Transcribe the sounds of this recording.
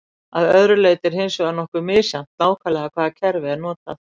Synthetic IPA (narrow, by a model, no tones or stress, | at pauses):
aðœðɾʏleːjt̪ɪɾ̥hensɔɣanɔhkʏmɪːsjam̥t̪naːwkʰaːlɛɣakʰvaːðacʰɛɾvɪɛɾnɔːt̪a̰